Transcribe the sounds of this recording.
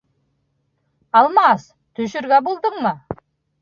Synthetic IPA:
ɑlˠmɑs | t̪ʰɵʃʏɾɡʲæbolˠd̪əɴmɑ

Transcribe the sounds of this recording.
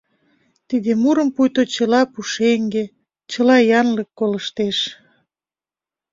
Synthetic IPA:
t̪id̪emuɾəmpujt̪ot͡ɕəlɑpuʃeŋɡe | t͡ɕəlɑjɑnləkːoləʃt̪eʃ

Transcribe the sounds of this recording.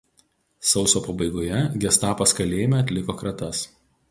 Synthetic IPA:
sɒʊsoːpɐbɐɪɡoːjɛɡʲɛst̪ɑːpɐskɐlʲeːjɪmʲɛɐt̪ʲlʲɪkoːkɾɐt̪ɐs

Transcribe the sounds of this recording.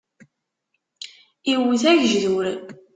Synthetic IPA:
iwəθæʝʒðuɾ

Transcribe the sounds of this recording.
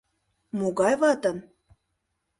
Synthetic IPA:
moɣɑjβɑt̪ə̆n

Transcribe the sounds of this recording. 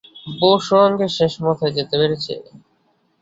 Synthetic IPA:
boʃoɾoŋɡeʃeʃmɔt̪ʰaed͡ʑet̪epeɾet͡ɕʰḛ

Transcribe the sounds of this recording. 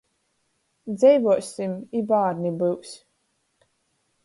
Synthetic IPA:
d̪zɛjvuɔsʲimibaːɾnibɨws

